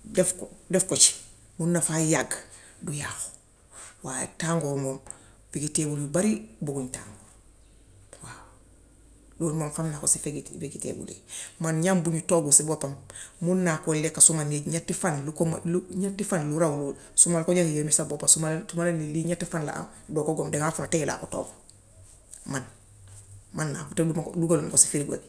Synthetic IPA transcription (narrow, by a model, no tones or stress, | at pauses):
defkdefkot͡ʃi̥ | munːafajaɡ | dujaːxo̥ | waːjḛtaːŋɡomom | fiɡitebulibaɾibuɡuɲta̰ːŋɡo | wa | luɾmomfamnakosifeɡitfiɡitḛbṵlḭmanɲambuɲutoɡusibopammunːakolekːasumaniɲatːifanlukm̰luɲatːifanluɾawu | sumalkoɟaŋijemisabopasumalsumaleniliɲatːifanla̰ʔa̰mdɔkoɡomdeŋafunateɡila̰ːkuto̰ːbu | man | manːa̰kuteuduɡalunkosi̥fiɾiɡa̰ɡ